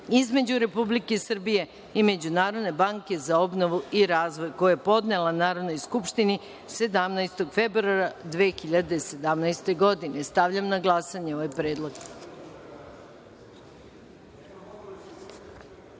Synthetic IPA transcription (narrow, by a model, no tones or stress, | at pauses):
izme̞d͡ʑuɾe̞publike̞isr̩bije̞ | ime̞d͡ʑunaːɾo̞d̪ne̞baŋke̞zao̞bno̞ʋuiɾaːzʋo̞jko̞jajepo̞d̪ne̞lanaːɾod̪no̞jskupʃt̪ini | se̞d̪amnajst̪o̞ɡfe̞bɾuaɾad̪ʋexiʎad̪ese̞d̪amnajst̪e̞ɡo̞d̪ine̞st̪aʋʎamnaɡlˠasaɲeo̞ʋajpɾeːd̪lˠoɡ̥